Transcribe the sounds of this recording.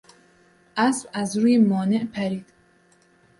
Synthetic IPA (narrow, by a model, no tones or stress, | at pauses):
ʔæsbæzɾuːjemɒːneʔpʰæɾiːd̪̥